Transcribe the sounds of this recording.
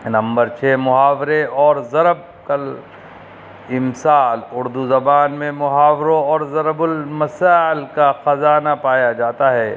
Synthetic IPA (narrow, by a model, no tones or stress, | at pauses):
nɐ̃mbəɾt͡ʃʰeːmʊɦaːʋɾeɔːɾzɐɾəb̚kɐl | ɪmsaːlʊɾd̪uzɐbaːnmẽmʊɦaːʋɾõɔːɾzɐɾəbʊlmɐsaːɪlkaxɐzaːnapaːjad͡ʒaːt̪aɦɛː